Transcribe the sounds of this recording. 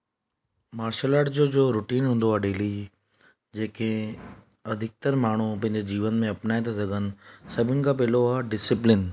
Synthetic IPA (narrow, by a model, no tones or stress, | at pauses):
maːɾʃəlaːʈd͡ʑod͡ʑoːɾʊʈiːnɦũːnd̪oaːɖeːli | d͡ʑeːkẽ | ɐd̪ʱɪk̚t̪əɾmaːɳ̤̃upɐ̃ɦɪ̃ɲd͡ʑed͡ʑiːʋənmẽɐpnaːet̪ʰas̬ɐɡʱənɪ̆sɐbʱɪnɪ̆kap̬eːloaɖɪsɪplɪn